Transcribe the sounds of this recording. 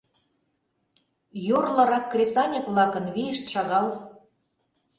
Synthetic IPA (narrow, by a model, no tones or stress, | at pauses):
jorlɑɾɑkːrʲesɑnʲĕkβlɑkə̆nβiə̆ʃt̪ʃɑɣɑl